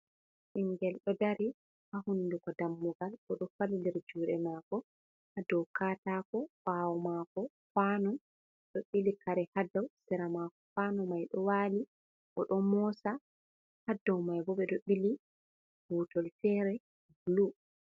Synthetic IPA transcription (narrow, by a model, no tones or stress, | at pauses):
ʔiŋɡɛlɗɔdaɾi | hahunːdukɔdamːuɡalɔɗɔfalilɛɾd͡ʒuːɗɛmaːkɔ | hadɔwkaːtakɔwawɔmakɔ | fanɔ | ɗɔɓilikaɾɛhadawsɛɾamakɔfanɔmajɗɔwaːli | ʔɔɗɔmɔsa | hadːɔwmajbɔɓɛɗɔɓili | hutɔltɛɾɛ | blu